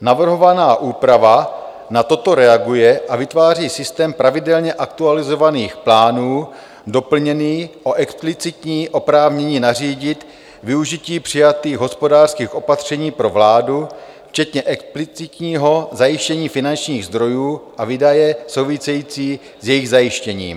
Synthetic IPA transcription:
navr̩ɦo̞vanaːʔuːpɾava | nat̪o̞t̪o̞ɾɛaɡujɛʔavɪt̪vaːr̝iːsɪst̪ɛːmpɾavɪdɛlɲɛʔak̚t̪ualɪzo̞vaniːxplaːnuː | do̞pl̩ɲɛniːʔo̞ʔɛksplɪt͡sɪt̪ɲiːʔo̞pɾaːvɲɛɲiːnariːɟɪt̪ | vɪuʒiciːpr̝̥ɪjat̪iːɣɦo̞spo̞daːr̥skiːxʔo̞pat̪r̝̥ɛɲiːpɾo̞vlaːdu | ft͡ʃɛt̪ɲɛʔɛksplɪt͡sɪt̪ɲiːɦo̞zajɪʃcɛɲiːfɪnant͡ʃɲiːɣzd̪ɾo̞juːʔaviːdajɛsowvɪsɛjiːt͡siː | zjɛjɪɣzajɪʃcɛɲḭːm

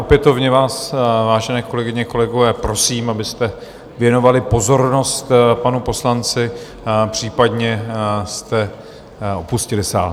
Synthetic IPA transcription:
ʔopjɛt̪o̞vɲɛvaːsvaːʒɛnɛːko̞lɛɡɪɲɛko̞lɛɡo̞vɛːpɾo̞siːmabɪst̪ɛ | vjɛno̞valɪpo̞zo̞ɾno̞st̪panupo̞slant͡sɪ | pr̝̥iːpad̪ɲɛst̪ɛ | o̞puscɪlɪsa̰ːl

